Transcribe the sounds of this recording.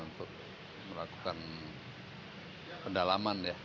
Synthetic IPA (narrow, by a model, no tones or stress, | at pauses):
unt̪ʊk̚ | məlakukan | pəndalamanja